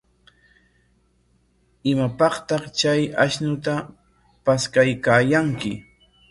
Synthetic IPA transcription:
ɪmapɑχt̪ɑχt͡ʃajaʃnʊt̪a | paskajkaːjaŋkɪ

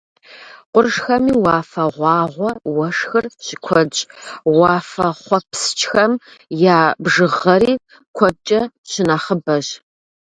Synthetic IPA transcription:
qʷʊrʒxɐmiːwɑːfɐʁʷɑːʁʷɔwɐʂxɨrɕɪkʷʰɔd͡ʒʼwɑːfɐχʷɔpst͡ʃxɐmjaːbʒɨʁɐɾiː | kʷʰɔt͡ʃʼɐ | ɕɪnaːχəbɐɕ

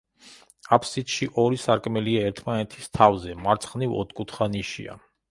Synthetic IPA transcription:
apʰsit̪ʃiʔɔɾisaɾkʼmɛliaɛɾt̪ʰmanɛt̪ʰi̥st̪ʰavzɛmaɾt̪sʰχnivɔ̰t̪ʰkʼut̪ʰχaniʃḭa̰

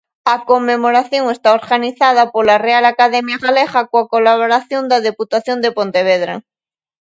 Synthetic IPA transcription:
ɐkomːemoɾaθjoŋest̪aoɾɣaniθað̞ɐpolarealakaðɛmjaɣaleɣakoakolaβoɾaθjond̪aðeput̪aθjond̪epont̪eβ̞eð̞ɾa̰

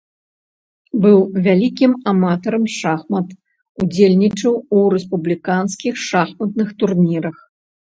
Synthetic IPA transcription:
bɨwvʲalʲikʲimamat̪ɐɾɐmʂaxmɐt̪ | ud͡zʲelʲnʲit͡ʂɐwuɾɛspublʲikanskʲixʂaxmɐt̪nɨxt̪urnʲiɾɐx

